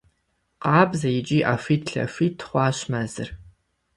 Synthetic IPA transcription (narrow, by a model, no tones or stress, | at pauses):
qʼɑːbzɐjid͡ʒʼiːʔafiːtʰɬɐ̰fitʰːχʷɑːɕmɐzɨ̰r